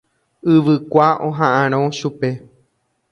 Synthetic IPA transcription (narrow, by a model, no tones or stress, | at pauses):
ɨʋɨkʷaʔõɦãʔãɾ̃õʃupe̞